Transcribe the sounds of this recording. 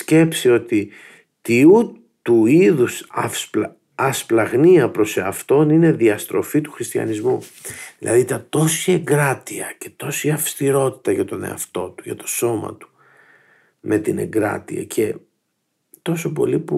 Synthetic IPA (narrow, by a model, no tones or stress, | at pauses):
sce̞psio̞t̪i | t̪iu | t̪uiðusɐfs | ɐsplɐɣniɐpɾo̞seɐft̪o̞nine̞ðiɐst̪ɾʔo̞̰fit̪u̥xɾist̪çɐ̰nizmuðilɐ̰ðit̪ɐt̪o̞sie̞ŋɡɾɐt̪iɐce̞̥t̪o̞siɐfst̪iɾo̞t̪i̥t̪ɐʝɐt̪o̞ne̞̰ɐ̰ft̪o̞t̪u̥ʝɐ̰t̪o̞̥so̞mɐ̰t̪u̥ | mʔe̞t̪ine̞̰ŋɡɾɐ̰t̪ḭɐ̰cʰe̞ | t̪o̞so̞p̬o̞̰lipu